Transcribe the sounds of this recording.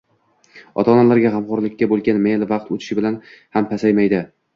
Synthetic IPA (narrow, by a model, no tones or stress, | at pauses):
ɒ̰t̪ʰaɒnalaɾɡʲaɦamqɒɾlɪkʲːabolˠɡʲanmelvɑqt̪ʰot͡ʃ̪ʰɪ̥ʃɪbɪlanhampʰasajmajd̪ɪ